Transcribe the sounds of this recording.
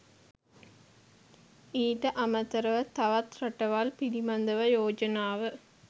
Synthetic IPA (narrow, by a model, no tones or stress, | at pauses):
iːʈːɐʔɐmɐt̪ːɐɾɐʋɐt̪ɐʋɐt̪ɾɐʈːɐʋaːlpɪɽimɐnd̪ɐʋɐjoːd͡ʒɐnaːʋɯ